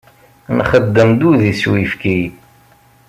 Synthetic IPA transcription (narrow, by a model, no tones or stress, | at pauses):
nχəd̪ːəmd̪uðiswifki